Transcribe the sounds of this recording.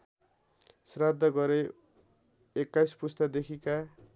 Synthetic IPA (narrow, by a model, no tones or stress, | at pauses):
srad̪ʱːʌɡʌɾe | ekːajspust̪ad̪ekʰika